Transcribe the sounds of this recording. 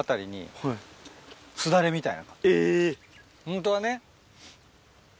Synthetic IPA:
at̪aɾʲiɲ̟ḭ | t͡sɨd̪aɾe̞mʲit̪ainakae | hõnt̪oβane̞

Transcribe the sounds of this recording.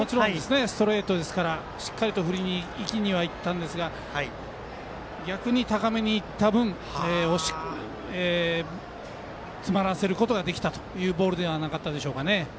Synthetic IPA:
mo̞t͡ɕiɾõnd̪esɨne̞st̪o̞ɾe̞ːt̪o̞d̪e̞sɨ̥kaɾa | ɕi̥kːaɾʲit̪o̞ɸɯ̟ɾʲiɲ̟iːkʲiɲ̟iβait̪ːãnd̪e̞sɨɡa | ɡʲakɯ̟ɲ̟it̪akame̞ɲ̟iːt̪ːabɯ̟̃ɴ | eːoɕi̥ | e | t͡sɨmaɾase̞ɾɯ̟ko̞t̪o̞ɡad̪e̞kʲt̪at̪o̞̥jɯ̟ːbo̞ːɾɯ̟d̪e̞anakat̪ːad̪e̞ɕo̞ːkane̞

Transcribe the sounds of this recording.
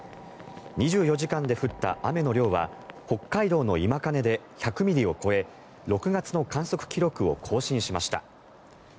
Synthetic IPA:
ɲiʑɨːjo̞ʑikãnd̪e̞ɸɯ̟t̪ːa̰ʔame̞no̞ɾʲo̞ːβa̰ho̞kːaid̪o̞ːno̞imakane̞d̪e̞ | çakɯ̟mʲiɾʲio̞ko̞e̞ | ɾo̞kɯ̟ɡat͡sɨno̞kãɰ̃so̞kɯ̟̥kʲiɾo̞kɯ̟o̞kʰo̞ːɕĩɰ̃ɕimaɕi̥t̪a̰

